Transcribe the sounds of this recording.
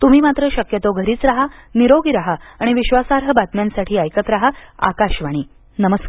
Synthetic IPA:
t̪um̤iːmat̪ɾəɕəkjət̪oɡʱəɾiːt͡sɾaɦaniɾoɡiɾaɦaːɽ̃iʋiɕʋasaɾɦəbat̪mjansaʈʰiːajkət̪ɾaɦaa̰kaɕʋaɽ̃iː | nəməskaɾ

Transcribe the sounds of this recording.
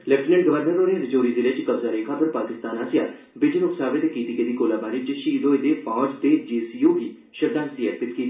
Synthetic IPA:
lɛʈnə̃ɳʈɡəʋəɾnəɾoːneːɾɪd͡ʒoːɾiːd̪ɪɾet͡ʃkəbzaːɾeːkʰaːpʰɐɾpaːkɪst̪aːnaːsɪja̰ː | bɪd͡ʒənʊksaːbɪt̪ekiːt̪iked̪iːkoːlaːbaːɾit͡ʃʃiːzoːed̪eːpãːd͡ʒd̪eːd͡ʒiːsiːjoːbiː | ʃəd̪aːsiːɛɾpɪt̪kiː

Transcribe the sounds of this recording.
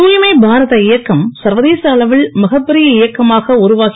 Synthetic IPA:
uːjɪmɐɪbʱaːɾɐðɐɪjɐkːɐmsɐɾʋɐðeːsɐɐɭɐʋɪɭmɐɣɐpːɛɾɪjɐɪjɐkːɐmaːɣɐʊɾʊʋaːɣ

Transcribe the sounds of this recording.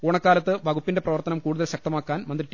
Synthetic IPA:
koːɳɐkːaːlɐt̪ːɨʋɐɡupːinde̞prɐʋɐrt̪ɐnɐmkuːɽuðɐlɕɐk̚t̪ɐmaːkːaːnmɐnd̪riʈːi

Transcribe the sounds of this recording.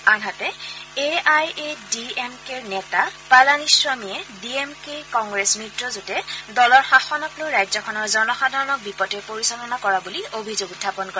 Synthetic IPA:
anɦatɛeajediemkeɹnɛtapalaniswamiɛdiemkekɔŋɡɹesmɹitɹɔzotɛdɔlɔɹxaxɔnɔklojɹajzɔkʰɔnɔɹzɔɹmɔxadʱɔɹɔnɔk̚bipɔtɛpoɹisɔlɔnakɔɹabuliobʱizoɡudʱːapɔnkɔɹɛ

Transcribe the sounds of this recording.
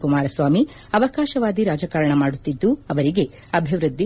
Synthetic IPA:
kumaːɾɐsʋaːmi | ɐʋɐkaːʃɐʋaːɡ̪iɾaːd͡ʒɐkaːɾɐɳɐmaːɽut̪ːid̪ːuɐʋɐɾiɡe̞ | ɐbʱiʋɾud̪ʱːi

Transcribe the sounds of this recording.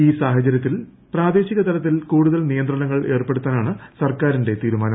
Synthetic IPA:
iːsaːɦɐt͡ɕːɐɾjɐt̪ːil | praːd̪e̞ːɕiɣɐt̪ɐlɐt̪ːilkuːɽuðɐlnijɐnd̪rɐɳɐŋːɐɭe̞ːrpe̞ɽut̪ːaːnaːɳɨsɐrkaːɾinde̞t̪iːɾumaːnɐm

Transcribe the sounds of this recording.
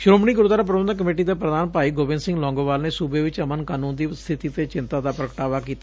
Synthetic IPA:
ʃʊɾoːmniːɡʊɾd̪aːɾaːp̬ɾəbənd̪ək̬əmeːʈiːd̪aːpɾəd̪aːnpaːiːɡoːbɪ̃nsɪ̃ŋɡlɔ̃ːŋɡoːʋaːlneːsuːbeːʋɪt͡ʃəmənkaːnũːnd̪iːst̪ʰɪt̪iːt̪eːt͡ʃɪnt̪aːd̪aːpɾəkʈaːʋaːkiːt̪a

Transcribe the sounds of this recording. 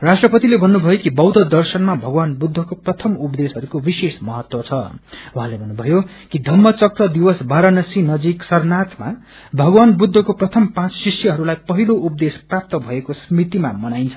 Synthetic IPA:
rasʈrʌpʌt̪ilebʱʌnːubʱʌjokibʌwd̪ʱʌd̪ʌrsʌnmabʱʌɡwanbud̪ʱːʌkoprʌt̪ʰʌmupd̪esɦʌɾukobisesmʌɦʌt̪wʌt͡sʰʌuɦãlebʱʌnːubʱʌjo | kid̪ʱʌmːʌt͡sʌkrʌd̪iwʌsbaɾʌnʌsinʌd͡ziksʌrnat̪ma̰ | bʱʌɡwanbud̪ʱːʌkoprʌt̪ʰʌmpãt͡ssisjʌɦʌɾulajpʌɦiloʔup̚d̪esprap̚t̪ʌbʱʌekosmit̪ima̰mʌnajnt͡sʰʌ

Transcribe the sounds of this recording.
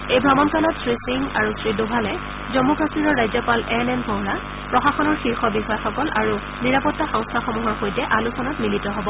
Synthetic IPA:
ejbɹɔmɔnkalɔtsɹisiŋaɹusɹidobʱalɛ | zɔmukasiɹɔɹːajzɔpalɛnɛnpɔɦɹa | pɹɔxaxɔnɔɹxiɹxɔbixɔjɛxɔkɔlʔaɹu | niɹapɔtːaxɔŋstʰaxɔmuɦɔɹxojtɛʔalusɔnatmilitɔɦɔbɔ

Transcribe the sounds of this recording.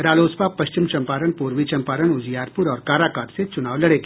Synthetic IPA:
ɾaːloːspapɐʃt͡ʃɪmt͡ʃɐ̃mpaːɾəɳ̃puːɾʋit͡ʃɐ̃mpaːɾəɳʊd͡ʒjaːɾpʊɾɔːɾkaːɾaːkaːt̪set͡ʃʊnaːʋlɐɽekː

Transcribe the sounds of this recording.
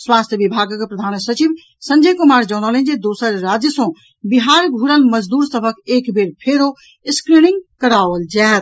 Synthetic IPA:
swast̪ʰjəbibʱaɡkpɾəd̪ʱaːnsət͡ʃib | sə̃nd͡ʒəjkumaɾd͡ʒɔːnɔlẽnd͡ʒed̪osəɾːad͡ʒjəsɔ̃ | biɦaɾɡʱuɾəlməd͡ʒd̪uːɾsəbʱəkeːkbeɾpʰeɾo | skɾiniŋɡkəɾaʋəld͡ʒat̪

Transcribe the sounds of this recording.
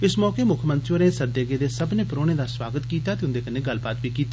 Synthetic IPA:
ɪsmɔːkeːmʊkʰmə̃nt̪ɾiʋəɾneːsəd̪eːɡeːd̪eːsəbneːpɾoːɽ̃eːd̪aːswaːɡət̪kiːt̪aːt̪eːʊ̃nd̪eːkəneːɡəlbaːt̪ʋiːkiːt̪aː

